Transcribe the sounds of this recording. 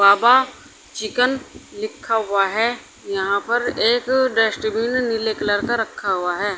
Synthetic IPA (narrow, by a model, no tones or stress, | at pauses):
baːba | t͡ʃɪkənlɪkʰːaɦʊaɦɛ | jɐɦãpɐɾeːkɖɛːsʈbiːnːɪlekləɾkaɾɐkʰːaɦʊaɦɛː